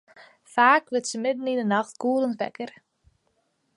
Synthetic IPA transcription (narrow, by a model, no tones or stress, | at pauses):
faːkʋɪtsəmɪd̪̚n̩inənaxt̪kuːlənfɛ̰kəɾ